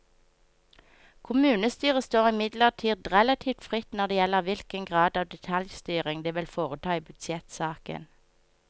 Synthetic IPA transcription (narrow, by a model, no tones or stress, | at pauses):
kʰʊmʉːnəst̪yːʁəst̪oːʁɪmɪd̪ləʁt̪ʰiːd̪ʁɛlɑt̪ʰiːʋt̪fʁɪt̪nɔʁd̪eːjɛləʁʋɪlkəŋɡʁɑːd̪ɑːʋd̪ɛt̪ʰɑljst̪yːʁɪŋd̪eːʋɪlfoːʁət̪ʰɑːiːbʏd̪sjɛt̪sɑːkə̰n